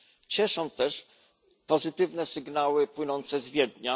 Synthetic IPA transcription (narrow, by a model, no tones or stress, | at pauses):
t͡ɕɛʂɔ̃w̃t̪ɛʂ | pɔzɘt̪ɘvnɛsɘɡnawɘpwɘnɔnt̪sɛzvʲjɛd̪ɲa